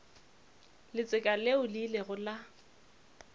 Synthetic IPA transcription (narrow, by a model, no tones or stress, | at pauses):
lɪt͡sʼɪkʼaleʊlileɣʊla